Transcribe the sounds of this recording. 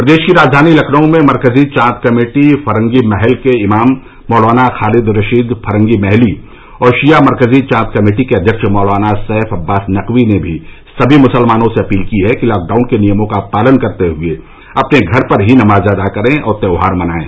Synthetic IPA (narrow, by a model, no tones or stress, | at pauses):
pɾɐd̪eːʃkiɾaːd͡ʒd̪ʱaːnilɐkʰnəõmẽmɐɾkəzit͡ʃãːt̪kɐmeːʈifʰɐɾə̃ŋɡimɛɦɛlkeɪmaːmː | ɔːlʋaːnaxaːlɪd̪ɾɐʃiːd̪pʰɐɾə̃ŋɡimɛɦli | ɔːɾʃijamɐɾkəzit͡ʃãːt̪kɐmeːʈikeɐd̪ʱjəkʃmɔːlaːnasɛɦfɐbːaːsnɐqʋinebʱi | sɐbʱimʊsəlmaːnõseɐpiːlkiɦɛkilaːk̚ɖaːʊnkenijəmõkapaːlənkɐɾt̪eɦʊe | ɐpneɡʱɐɾpɐɾɦinɐmaːzɐd̪akɐɾẽʔɔ̰ːɾt̪ɛːʊɦaːɾmɐnaːḛ̃ː